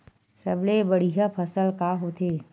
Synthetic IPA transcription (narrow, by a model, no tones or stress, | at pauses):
sɐblebɐɽ̤iɦapʰəsəlkaɦot̪eː